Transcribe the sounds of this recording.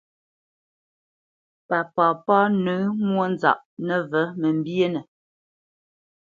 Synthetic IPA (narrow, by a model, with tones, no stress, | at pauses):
pa˨paː˨pa˦nʉ˨˦mwo˦n˦za̰˨ʔnə˦˨və˨˦mə˨m̩˦bje˦nə˨